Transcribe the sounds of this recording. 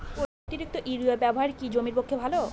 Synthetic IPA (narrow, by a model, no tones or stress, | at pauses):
o | t̪iɾik̚t̪oʔiɾuabɛboɦaɾkid͡ʑomiɾpokʰːebʱalo